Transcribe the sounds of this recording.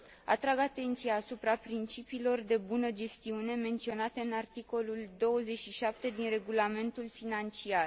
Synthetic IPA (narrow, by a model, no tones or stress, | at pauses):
a̰t̪ɾaɡat̪e̞nt̪sijaːsupɾapɾint͡ʃipiːlo̞rd̪e̞bunəd͡ʒe̞st̪iune̞me̞nt̪sio̞nat̪e̞ɨnart̪iko̞luld̪o̞wəze̞t͡ʃʃiʃap̚t̪e̞d̪inre̞ɡulame̞nt̪ulfinant͡ʃiar